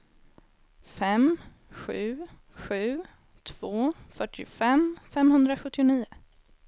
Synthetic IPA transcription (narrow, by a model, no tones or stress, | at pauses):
fɛm | ɧʉ̟ː | ɧʉ̟ː | t̪ʰv̥oːfœʈʰːɪfɛmfɛmhɵnd̪ɾaɧɵt̪ːɪʊniːʊ